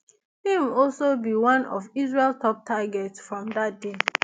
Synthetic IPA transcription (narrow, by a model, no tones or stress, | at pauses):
hĩmɔlsobiwãnɔ̰vizɹeltʰɔp̚tʰaɡɛtsfɹɔ̃mdat̚de